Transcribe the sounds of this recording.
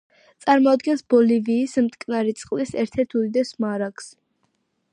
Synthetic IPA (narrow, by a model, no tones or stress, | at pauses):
t̪sʼaɾmɔad̪ɡɛnsbɔliviːsmt̪ʼkʼnaɾit̪sʼqʼlisɛɾt̪ʰɛɾt̪ʰuid̪ɛsmaɾakʰs